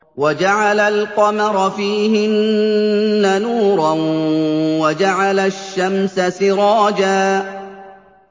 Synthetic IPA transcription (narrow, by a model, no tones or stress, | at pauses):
wad͡ʒaʕalalqɑmɑɾˤɑfiːɦɪnː | anuːɾˤɑn | wad͡ʒaʕalaʃːamsasɪɾˤɑːd͡ʒaː